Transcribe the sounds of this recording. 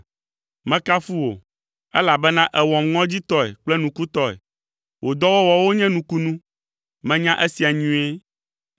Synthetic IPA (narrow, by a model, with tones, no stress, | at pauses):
mɛ̃˦ka˦fu˦wo̰˨ | ɛ˦la˨bɛ˦nã˦ʔɛ˨wɔ̃˨mŋɔ̃˦d͡ʑi˦t̪ɔ˦ɛ̰˨k͡plɛ˦nũ˨ku˦t̪ɔ˦ɛ̰˨ | wʔo˨d̪ɔ˦wɔ˦wɔ˨wo˦ɲɛ̃˦nũ˨ku˦nũ˦ | mɛ̃˨ɲã˦ʔe˦si˨a˨ɲũ˦e˦